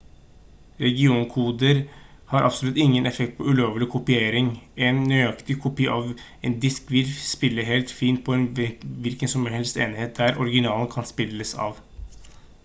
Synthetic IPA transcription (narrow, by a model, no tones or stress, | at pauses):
ɾɛɡɪuːnkʰuːd̪əɾhɑɾʔɑ̰psɔlʉt̪ːɪŋːənʔɛfɛkt̪̚pʰɔʉloːʋlɪkʰʊpɪeːɾɪŋɛnnyɑkt̪ɪkʰʊpiːʔɑːʋ | ɛnd̪ɪskʋɪlspɪlːəɦeːlt̪fiːnt̪̚pʰɔɛnʋɪlkənsɔmɛhɛlst̪eːnɪheːt̪̚d̪æɾɔɾɪɡɪnɑːln̩kʰɑnspɪlːəsɑ̰ːʋ